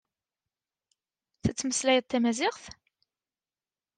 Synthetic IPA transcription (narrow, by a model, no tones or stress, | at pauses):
θæt͡sːməslæjəd̪̚ˤt̪ːæmæzɪʁθ